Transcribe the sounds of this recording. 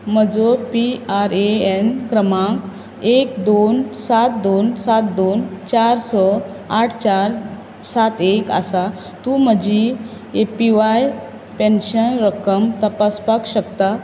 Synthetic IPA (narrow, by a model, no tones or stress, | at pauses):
m̤əd͡zopiaɾeenkɾəmãk | ekd̪onsat̪̚d̪onsat̪d̪ont͡ɕaɾsɔ | aʈʰt͡ɕaɾ | sat̪eka̰sa | t̪um̤əd͡ʑi | epiʋaj | penɕənɾəkəmt̪əpaspakɕəkt̪a